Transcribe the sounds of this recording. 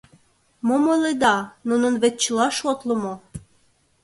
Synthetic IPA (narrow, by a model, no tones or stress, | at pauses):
momoled̪ɑnunə̆nβet̪̚t͡ɕəlɑʃot̪lə̆mo